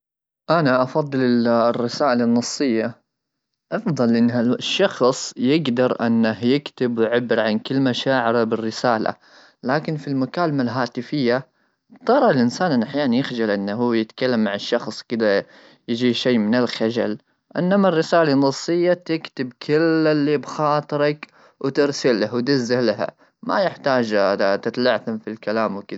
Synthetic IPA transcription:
ʔanaʔɑfɑðˤːɨlɪrːɪsaːʔɪlanːɑsˤːɨjːa | ʔɑfðˤɑlʔɪnːaʃːɑxsˤjɪɡd̪ɑɾˤʔɪ̰nːahjɪkt̪ɪbwɪʕabːɪɾʕankɪlːmaʃaːʕɪɾabɪrːɪsaːla̰ | laːkɪnfilmakaːlamalɦaːt̪ɪfɪjːa | t̪ˤɑɾˤɑlʔɪnsaːnanʔaħjaːnanjɪxd͡ʒalʔɪnːɦuːjɪt̪kalːamːaʕɪʃːɑxsˤkɪd̪a | jɪd͡ʒiːʃeːmɪnɪlxad͡ʒa̰l | ʔɪnːamarːɪsaːlanːɑsˤːɨjːat̪ɪkt̪ɪbkʰɪlːɪlːiːbxɑːt̪ˤɨɾɑk | wt̪ɪɾsɪlːawt̪ɪzːahlaɦa̰ | ma̰jɪħt̪aːd͡ʒt̪ɪt̪laʕθamfilkalaːmwkɪð

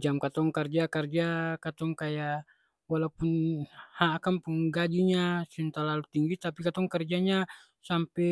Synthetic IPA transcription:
d͡ʒamkat̪ɔŋkard͡ʒakard͡ʒakat̪ɔŋkaja | walaupunhaːkampuŋɡad͡ʒiɲasint̪alalut̪iŋɡit̪apikat̪ɔŋkɛrd͡ʒaɲa | sampɛ

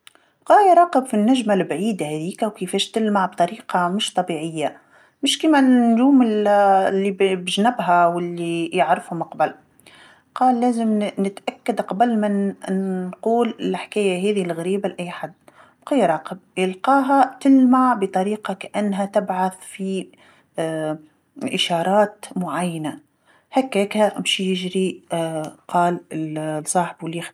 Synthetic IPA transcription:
bqɑːjɾˤɑːqɪbfinːaʒmalbʕiːd̪ahæðiːkawkɪfɛːʃt̪ɪlmaʕbt̪ˤɑɾiːqɑmɪʃt̪ˤɑbiːʕɪjːa | mɪʃkiːmanʒuːmɪllːibbʒnabɦawɪlːijɪʕɾɪfhʊmɑqbɪl | qɑːlːæːzɪmnɪt̪ʔakːad̪qɑbalmɪnnquːlɪlħkaːjaɦeːðilɣaɾiːbalʔajːħad̪ː | bqijːɾˤɑːqɪb̚jɪlqɑːɦat̪ɪlmaʕbɪt̪ˤɑɾiːqɑkaʔanːɦat̪ɪbʕaθfi | ʔɪʃɑːɾˤɑːt̪mʊʕajːana | hakːeːkhamɪʃjɪʒɾi | qɑːlɪsˤːɑːħbwɪlːjɪx

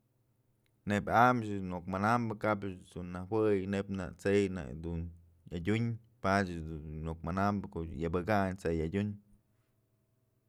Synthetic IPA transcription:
nebʲamt͡ʃmokmanambɨkapt͡sunːawɨjnepna̰t͡sejnḛd̪un | jadʲuɲ | pat͡ʃd̪uokmanambɨkoʔjabɨɡaɲt͡sejadʲuɲ

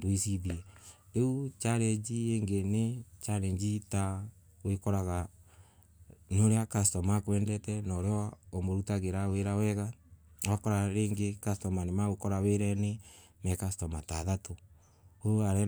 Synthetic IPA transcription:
doisiðiɛeut͡ʃaɾɛd͡ʒieŋɡenet͡ʃaɾɛɲd͡ʒita | wekɔɾaɣa | noɾeakastɔmakwɛndɛtɛnɔɾeɔomoɾutaɣeɾaweɾawɛɣawakɔɾaɾeːŋɡekastɔmanemaɣukɔɾaweɾɛne | mɛkastɔmataðato | oaɾɛ

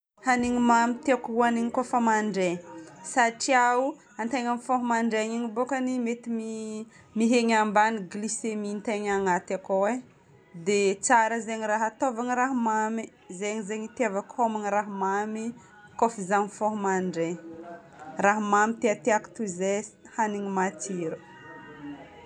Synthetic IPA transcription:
haniɲimamit̪eakuaniɲikofəmaɳɖ͡ʐesaʈ͡ʂiau | ant̪eɲamifoɦumaɳɖ͡ʐeɲiŋibokənimet̪imi | miɦeɲambaniɡlisemint̪eɲaŋat̪akowe | d̪et͡saɾəzeɲiraɦat̪ovaŋiɾaɦmami | zeɲizeɲit̪iavakomaniraɦmami | kofizamifoɦumaɳɖ͡ʐe | raɦmamit̪eat̪eaku̥t̪uzes | haniɲimat̪iɾu

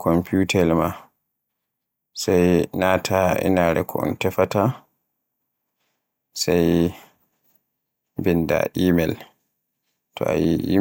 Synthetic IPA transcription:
kɔmputɛlma | sajnaːtʰaɛ̰naɾɛ̰kʰɔɔntɛfata | saj | binda̰ʔiːmɛl | tɔ̰a̰jiʔi

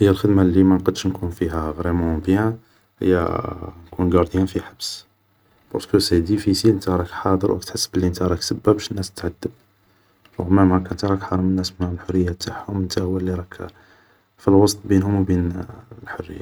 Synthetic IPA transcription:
həjːælxəd̪malimænqɑd̪ʃnkunfiɦæɣɾemɑ̃bjæ̃ | hə̰jːæ̰nkunɡɑɾˤd̪jænfiħabs | b̥ɑ̰ɾˤskəsæd̪ifisilənt̪æɾˤɑkħɑd̪ˤəɾwʔæ̰k̚t̪ħəsːəblːiənt̪æɾˤɑksəbːæbʃənːæsət̪ʕad̪ːəb̚ | ɾˤʊ̰ɣmæmkænt̪ɾˤɑkħɑˤɑmənːæsmənæʕlħʊrːəjːat̪aħhʊmənt̪æhwælːiɾˤɑk | filwɑst̪ˤbinhʊmwbinlħorːə̰jːa

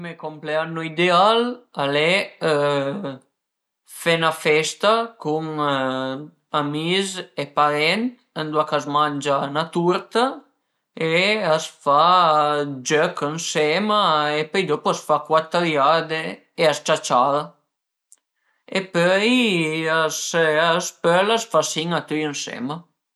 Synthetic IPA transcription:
mekompleanːoid̪ealalɛ | fɛnafɛst̪akum | amizepaɾɛnt̪ | ənd̪uakazmand͡ʒanat̪uɾt̪a | easfa | d͡ʒœkənsɛmaepœjd̪ɔpuasfakwat̪əljad̪e | east͡ʃat͡ʃaða | epœjasaspœlasfasiŋat̪yjənsɛ̰ma

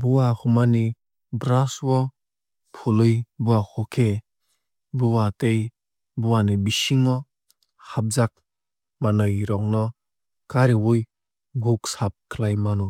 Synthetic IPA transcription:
buwahumani | bɾaswɔ | pʰulɯjbuwahɔkʰe | buwatej | buwanibisiŋɔ | hap̚zak̚ | manɯjɾɔŋnɔ | kaɾiwuj | ɡuksap̚kʰlajmanu

